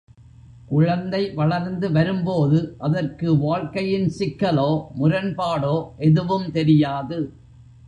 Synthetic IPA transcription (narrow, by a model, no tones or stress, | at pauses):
kʊɻɐnd̪ɐɪʋɐɭɐɾnd̪ɯʋɐɾɯmpoːðɯʔɐðɐrkɯʋaːɻkɐjɪnsɪkːɐloːmʊɾɐnpaːɽoːʔɛðɯʋɯmt̪ɛɾɪjaːðɯ